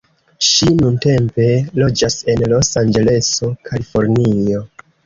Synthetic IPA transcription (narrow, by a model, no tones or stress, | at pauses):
ʃinunte̞mpe̞lo̞d͡ʒase̞nlo̞sand͡ʒe̞le̞so̞kʰalifo̞ɾnio̞